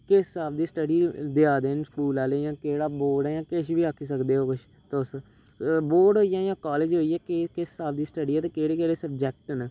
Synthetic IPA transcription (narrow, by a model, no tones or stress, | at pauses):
kɪsːaːb̚d̪iːsʈəɖiːd̪eaːd̪eːnpʰuːlaːleːjãːkeːɽaːboːɾɖɛːjãːkɪʃʋiːaːkʰːiːsəkd̪eːɦoːkʊʃ | t̪ːʊs | boːɾɖɦoːijãːjãːkɔːleːd͡ʒɦoːiːɛːkːkɪsːaːb̚d̪iːsʈəɖiːɛːt̪eːkeːɽeːkeːɽeːsəb̚d͡ʒɛːk̚ʈənː